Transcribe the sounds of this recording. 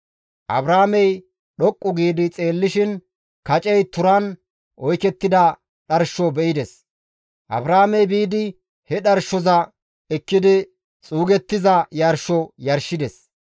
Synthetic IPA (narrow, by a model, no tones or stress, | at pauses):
ʔɐ̰bɾaːmɛj | ɗɔkʼːʊɡiːd̪ɪt͡sʼe̞ːlːɪʃɪn | kɐt͡ʃʼɛjt̪ʊɾɐn | ʔɔjkɛt̪ːɪd̪ɐ | ɗɐɾʃɔbɛʔɪd̪ɛs | ʔɐ̰bɾaːmɛjbiːd̪ɪ | hɛɗɐɾʃɔzɐ | ɛkːɪd̪ɪ | t͡sʼuːɡɛt̪ːɪzɐjɐɾʃɔjɐɾʃɪd̪ɛs